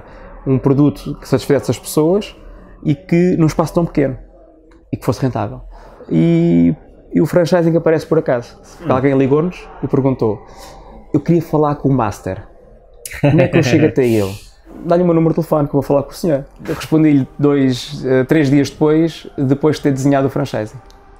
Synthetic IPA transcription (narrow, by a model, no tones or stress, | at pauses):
ũpɾuðut̪u̥kɨ̥sɐt̪iʃfɐzɛsɐʃpsoɐʃikɨnũʃpasu̥t̪ɐ̃w̃pkenu | ikfosʁẽnt̪a̰vɛ̰lˠ | iː | ufɾɐ̃ʃajzẽkɐpɐɾɛspɔɾɐkazu | alˠɣɐ̃j̃lˠiɣonuʃipɨɾɣũnt̪o | ewkɾiɐfɐlˠaɾkõuma̰ʃt̪ɛ̰ɾ | komɛkewʃeɣɐt̪ɛelˠ | d̪aʎumewnumɾd̪t̪lˠfɔnkewvofɐlˠaɾkõusɲoɾʁɨʃpõnd̪iʎd̪ojʃɛt̪ɾeʒðiɐʒd̪ɨpojʃðɨpojʃt̪eɾd̪ɨzɲaðufɾɐ̃ʃa̰jzĩ